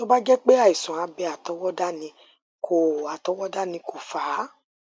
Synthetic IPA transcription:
to˦ba˦d͡ʒɛ˦k͡pe˦a˦˨i˨sɔ̃˨a˧bɛ˧˦a˨tɔ˨˦wɔ˦da˦nĩ˧ | kʰo˨a˨tɔ˨˦wɔ˦da˦nĩ˧ko˨fa˨˦

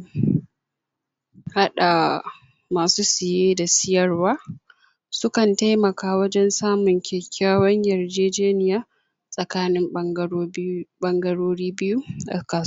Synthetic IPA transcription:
ha˦ɗa˨ | maː˨suː˦sɪ˨jeː˦da˨sɪ˦jɐ˨rwaː˦ | sʊ˦kɐ˨nta˦jmɐ˨kaː˦wɐ˦d͡ʒɛ˦nsaː˦mʊ˨ŋkʲeː˨kʲaː˦wɐ˦ɲjɐ˨rd͡ʒeː˦d͡ʒeː˦nɪ˦jaː˦ | sʼɐ˨kaː˦nɪ˦m | ɓɐ˦ŋɡɐ˦ɽoː˦ɽiː˦bɪ˦ju˦ʔa̰˨kaː˦s

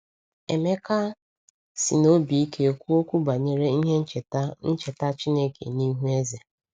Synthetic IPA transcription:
e˨me˦ka˦ | sḭ˨no˦bi˨i˦ke˦o˨kʷu˦o˦kʷu˦ba˨ɲe˦ɾe˦i˦ɦe˦n̩˦t͡ʃn̩˦t͡ʃe˨ta˦t͡ʃi˦ne˦kḛ˨ni˦ɦu˦e˦za˨

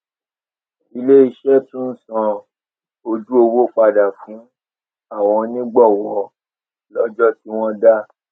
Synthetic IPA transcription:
i˧le˦i˧ʃɛ˦tũ˦n̩˦˨sɔ̃˧ | o˧d͡ʒu˦o˧wo˦k͡pa˧da˨fũ˨˦ | a˦˨w̃ɔ̃˧nĩ˦ɡ͡bɔ˦˨wɔ˨ | lɔ˦d͡ʒɔ˦ti˦w̃ɔ̃˦da˦

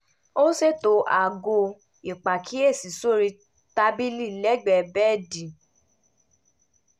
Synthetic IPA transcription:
o˦se˦˨to˨˧˦ʔa˨ɡo˧ | i˨k͡pa˨kʰi˨˦e˦˨si˨so˦ɾi˧ | ta˧bi˦li˦˨lɛ˦ɡ͡bɛ˧bɛ˦˨dĩ˨

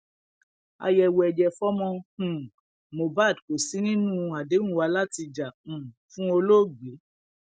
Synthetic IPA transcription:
a̰˧jɛ˧wɛ˧˨d͡ʒɛ˧fɔ˦mɔ̃˧hũ˨ | mo˨ba˦˨dko˨si˨˦nĩ˦nũ˦˧a˨dẽ˨˦ũ˦wa˧la˦ti˧d͡ʒã˨fũ˦o˧lo˦˨ɡ͡be˨˦

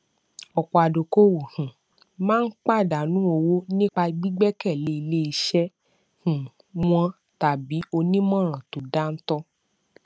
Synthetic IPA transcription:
ɔ˨k͡pɔ˨a˨do˨ko˦wu˨hũ˨ | mãː˦n̩˦k͡pa˦˨da˨nũ˨˦o˧wo˦nĩ˦k͡pa˧ɡ͡bi˦ɡ͡bɛ˦kɛ˦˨le˦i˧le˦i˧ʃɛ˦ | hũ˨ | w̃ɔ̃˧ | ta˨bi˨˦o˧nĩ˦mɔ̃˦˨ɾ̃ã˨to˨da˦n̩˦tɔ˦

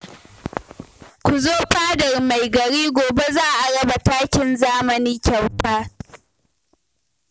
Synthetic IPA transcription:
kʷʊ˨zoː˦ɸaː˦dɐ˨rma˨jɡɐ˨ɽiː˦ɡʷoː˨be˦zaː˦ʔa˨ɽɐ˦ba˨taː˦kʲɪ˨nzaː˦mɐ˨niː˦kʲa˨wtaː˦

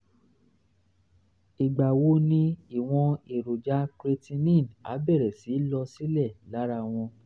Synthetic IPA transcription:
i˨ɡ͡ba˨wo˦nĩ˦i˦˨w̃ɔ̃˧e˨ɾo˨d͡ʒa˦kɾe˧tĩ˧nĩ˦˨n˨a̰˨˦bɛ˦˨ɾɛ˨si˨˦lɔ˧si˦lɛ˦˨la˨˦ɾa˧w̃ɔ̃˧

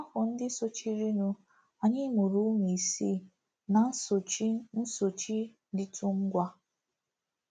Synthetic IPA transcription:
a˦kʊ˨n̩˦dɪ˦so˦t͡ʃi˦ɾi˦nu˦ | a˨ɲɪ˦mu˨ɾu˦mi˨i˨si˦˨ | na˨˦˨n̩˦so˨t͡ʃi˦ | dɪ˦tʰu˦ŋ̩˦ɡʷa˦

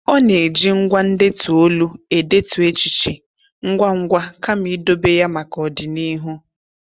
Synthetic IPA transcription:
ɔ˦ne˨d͡ʒi˦ŋ̩˦ɡʷa˦n̩˦dɪ˦tu˨o˦lu˦e˨de˦tu˨e˦t͡ʃi˦t͡ʃi˨ | ŋ̩˦ɡʷa˦ŋ̩˦ɡʷa˦ka˦mi˦do˦be˦ja˦ma˨kɔ˨dɪ˨ni˦ɦu˦

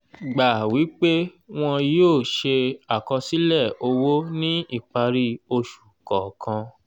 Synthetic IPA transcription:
ɡ͡ba˨wi˨˦k͡pe˦ | w̃ɔ̃˧joː˦˨ʃe˧a˨kɔ˧si˦lɛ˦˨o˧wo˦nĩ˦i˦˨k͡pa˧ɾi˦o˧ʃu̥˨kɔ˨kʰã˧

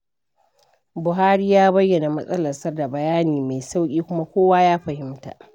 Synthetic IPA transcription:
bʊ˨ɦaː˦ɾiː˦jaː˦bɐ˦jːɐ˨na˨mɐ˦sʼɐ˦lɐ˨sɐ˦rda˨bɐ˨jaː˦niː˨ma˨jsa˦wkʲʼiː˦kʷʊ˦ma˦kʷoː˦waː˦jaː˦ɸɐ˨hɪ˦mta̰˨ʔ

